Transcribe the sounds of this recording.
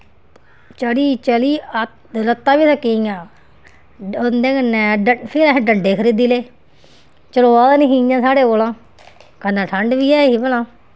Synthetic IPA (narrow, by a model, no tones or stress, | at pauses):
t͡ʃəliːt͡ʃəliː | ɾət̪ːaːʋiːsəkːĩːãː | ond̪ẽːkənɛ̃ːɖəpʰɪlãɖəɳɖeːkʰəɾiːd̪iːleː | t͡ʃəloːaːd̪aːniːɦĩːjãːsaːɽeːoːlãː | kənãːʈʰəɳɖʋiːɛːɦiːbəlãː